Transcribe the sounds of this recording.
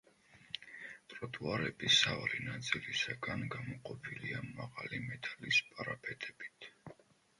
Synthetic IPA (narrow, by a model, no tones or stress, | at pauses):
t̪ʼɾɔt̪ʼuaɾɛbisavaɾinat̪sʼilisaɡanɡamɔqʼɔpʰiliamaʁalimɛt̪ʼalispʼaɾapʰɛt̪ʰʼɛbi̥t̪ʰ